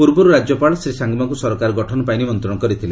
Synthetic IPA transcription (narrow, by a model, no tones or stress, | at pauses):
puɾbɔɾuɾad͡ʒjɔpaɭɔsɾisaŋɡɔmaŋkusɔɾɔkaɾɔɡɔʈʰɔnɔpajnimɔnt̪ɾɔɽɔkɔɾit̪ʰile